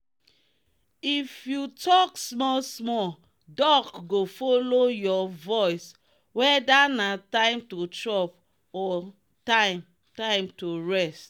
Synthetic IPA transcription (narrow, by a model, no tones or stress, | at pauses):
ifjutɔksmɔlsmɔl | dɔkɡofolojɔvɔjs | wɛdanatãɪ̃mtotɹɔp | ɔ | tãɪ̃m | tãɪ̃mtoɹɛst